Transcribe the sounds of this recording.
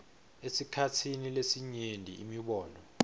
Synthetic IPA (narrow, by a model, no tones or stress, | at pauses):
esikʰatʰinilesiɲendʱḭʔimiɓɔːnɔ